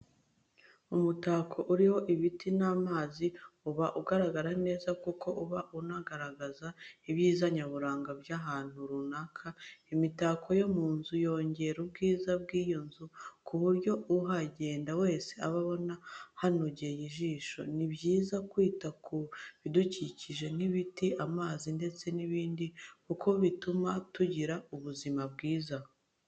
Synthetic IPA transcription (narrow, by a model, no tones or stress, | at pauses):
umutaːkʰo̞ʔuɾiho̞ʔiβitinaːmaːziuβaʔuɡaɾaɡaɾane̞ːzakuko̞ʔuβaʔunaɡaɾaɡazaiβjiːzaɲaβuɾaːŋɡabjaɦaːn̥huɾunakʰaimitaːkʰo̞jo̞muːnzujo̞ːɲɟe̞ɾub̚ɡiːzab̚ɡiːjo̞nzukʰuβuɾɟo̞uɦaɟe̞ːndawe̞ːse̞aβaβo̞nahanoɟejiʒiːʃo̞̰nibjiːzakwiːtakʰuβiduciciʒe̞n̥iβitiʔamaːzinde̞t͡se̞niβiːndikukʰo̞βitumatuɟiɾauβuzimabɡiːza